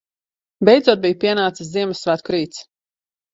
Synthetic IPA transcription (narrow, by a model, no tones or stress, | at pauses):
bʲɛjd̪zuɔt̪̚bijpʲiɛnaːt̪sɨsziɛmɨsːvæːt̪̚kɾiːt̪s